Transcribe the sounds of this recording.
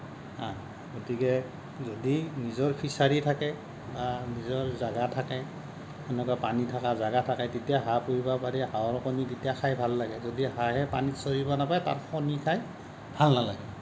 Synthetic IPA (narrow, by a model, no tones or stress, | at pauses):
a | ɡotikɛ | zodinizɔɹpʰisaɹitʰakɛ | banizɔɹzaɡatʰakɛ | ɛnɛkapanitʰakazaɡatʰakajtetijaɦapuɹibapaɹiɦawɔɹɔkɔnitetijaxʰajbʱalːaɡɛzodiɦaɦɛpa̰nisoɹibɔnapajta̰ɹpʰɔnikʰaj | bʱalnala̰ɡɛ